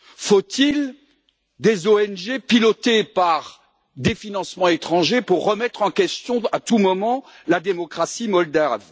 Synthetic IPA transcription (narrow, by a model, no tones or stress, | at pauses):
fot̪il | d̪ezoɛnʒepilɔt̪epaʁ | d̪efinɑ̃smɑ̃et̪χɑ̃ʒepuʁːəmɛt̪χɑ̃kʲɛst̪jɔ̃at̪umɔmɑ̃ | lad̪emɔkχasimɔld̪av